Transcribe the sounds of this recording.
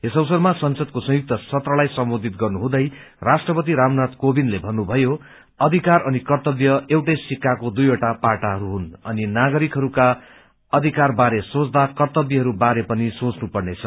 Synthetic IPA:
esʌwsʌrmasʌnsʌd̪̚kosʌ̃juk̚t̪ʌsʌt̪rʌlajsʌmbod̪ʱit̪ɡʌrnuɦũd̪ʌj | rasʈrʌpʌt̪̬iɾamnat̪kobinlebʱʌnːubʱʌjo | ʌd̪ʱikarʌnikʌrt̪ʌbjʌewʈʌjsikːakod̪ujoʈapaʈaɦʌɾuɦunʌninaɡʌɾikɦʌɾuka | ʌd̪ʱikarbaɾesot͡sd̪akʌrt̪ʌbjʌɦʌɾubaɾepʌnisõt͡snupʌrnet͡sʰʌ

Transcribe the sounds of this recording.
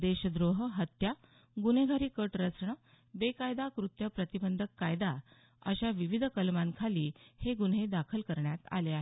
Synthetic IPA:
d̪eɕəd̪ɾoɦəɦət̪ja | ɡun̤eɡʱaɾiːkəʈɾəsɳə | bekajd̪akɾut̪jəpɾət̪ibənd̪ʱəkːajd̪a | ə̰ɕaʋiʋid̪ʱkəlmãmkʰaliːheɡun̤ɦed̪akʰəlkəɾɳjat̪a̰leaɦe

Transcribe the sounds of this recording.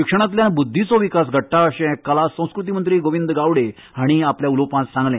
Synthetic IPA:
ikʂəɽ̃ãt̪ljãbud̪ʱːit͡sɔʋikasɡʱəʈːaəɕɛ̃kəlasə̃w̃skɾut̪̬imənt̪ɾiːɡoʋind̪ɡawɽe | aɽ̃iapljaulopãsãŋɡlẽ

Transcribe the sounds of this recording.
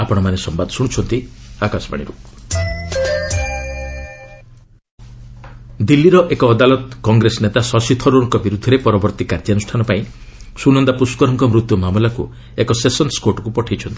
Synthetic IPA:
apɔɽ̃ɔmanesɔmbad̪ɔsuɽ̃ut͡ʃʰɔnt̪iakasɔba̰ɽḭɾu | d̪ilːiɾɔʔekɔːd̪alɔt̪kɔŋɡɾesnet̪asɔsit̪ʰɔɾuɔŋkɔbiɾud̪ʱːɔɾepɔɾɔbɔɾt̪ikaɾd͡ʒanusʈʰanɔpaĩ | sunɔnd̪apuskɔɾɔŋkɔmɾut̪jumamulaku | ekɔsesɔnskoʈɔkupɔʈʰajt͡ʃʰɔnt̪i̥

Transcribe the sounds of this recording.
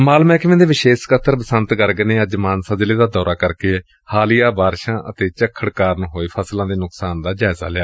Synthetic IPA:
maːlmɛ̃ːkɪʋẽːd̪eːʋɪʃeːʃkət̪ʰːəɾpəsənt̪ɡəɾɡneːəd͡ʒmaːnsəd͡ʒleːd̪aːd̪ɔːɾaːkəɾkeː | haːlɪjaːbaːɾʃãːʔə̰t̪eːt͡ʃəkʰːəɽkaːɾnɦoːiːpʰəslãːd̪eːnʊksaːnd̪aːd͡ʒaːɪza̰ːlɪaː

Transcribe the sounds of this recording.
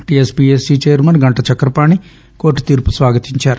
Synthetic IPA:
ʈiespieːsiːt͡ʃeːjɐɾmɐnɡɐɳʈɐt͡ʃɐkːɾɐpaːɳi | koːʈːt̪iːɾpusʋaːɡɐt̪iɲt͡ʃaːɾu

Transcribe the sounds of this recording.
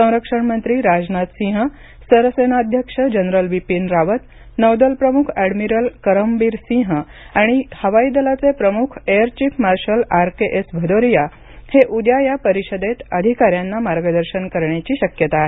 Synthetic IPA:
sə̃w̃ɾəkʂəɳmənt̪ɾiːɾad͡znat̪sĩɦə | səɾəsenaːd̪ʱjəkʂəd͡ʑənɾəlʋipinɾaʋət̪ | nəwd̪əlpɾəmukʰæɽmiɾəlkəɾəmbiːɾsĩɦəaɽ̃ihəʋaid̪əlat͡sepɾəmukʰejəɾt͡ɕiːfʰmaɾɕəlaɾkeʔesbʱəd̪oɾija | heʔud̪jajapəɾiɕəd̪et̪əd̪ʱikaɾjanːamaɾɡəd̪əɾɕənkəɾɳjat͡ɕiːɕəkjət̪ae

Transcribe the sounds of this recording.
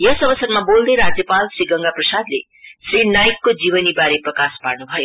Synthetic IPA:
jʌsʌbʌsʌɾmabold̪ʌjɾad͡zjʌpalsriɡʌŋɡaprʌsad̪lḛ | srinajkːod͡ziβʌnibaɾeprʌkasparnubʱʌjo

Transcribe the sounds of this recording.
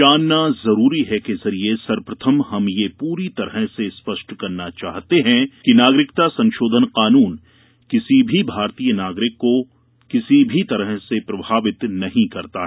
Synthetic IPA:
aːnːazɐɾuːɾiɦɛkezɐɾiesɐɾpɾɐt̪ʰəmhɐmjepuːɾit̪ɐɾəɦsespɐʃʈkɐɾnat͡ʃa̰ːɦt̪eɦɛ̃kinaːɡɾɪkt̪asɐ̃nʃoːd̪ʱənqaːnuːn | kɪsibʱibʱaːɾt̪iːjənaːɡɾɪkːo | kɪsibʱit̪ɐɾəɦsepɾɐbʱaːʋɪt̪nɐɦĩkɐɾt̪a̰ɦɛ

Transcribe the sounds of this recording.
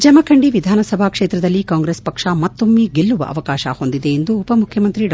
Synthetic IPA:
d͡ʒɐmɐkʰɐɳɖiʋid̪ʱaːnɐsɐbʱaːkʂeːt̪ɾɐd̪ɐlːikaːŋɡɾespɐkʂamɐt̪ːomːiɡeɭːuʋɐ̰ʔɐ̰ʋɐkaːʃɐ̰ho̞nd̪id̪e̞ːnd̪uːpɐmukʰjɐmɐnt̪ɾiɖ

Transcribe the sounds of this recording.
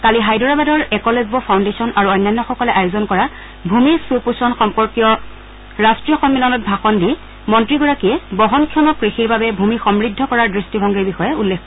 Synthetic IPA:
kaliɦajdɔɹabadɔɹɛkɔlezbɔpʰawndesɔnʔaɹuɔjnːanːɔxɔkɔlɛʔajʊzɔnkɔɹa | bʱumisupusɔnxɔmpɔɹkijɔ | ɹastɹijɔxɔmːilɔnɔt̚bʱaxɔndiɛ | mɔntɹiɡɔɹakiɛbɔɦɔnkʰjɔmɔkɹixiɹbabɛbʱumixɔmɹidʱːɔkɔɹaɹdɹistibʱɔŋɡɛɹbixɔjɛulːekʰːɔ

